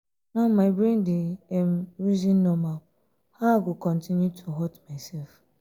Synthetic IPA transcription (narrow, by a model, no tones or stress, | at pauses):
naʊmaɪbɾĩndɪɛm̩ɾizinːɔmal | haɡʊkɔ̃n̩tʰinjutʰuɦɔtmaɪsɛlf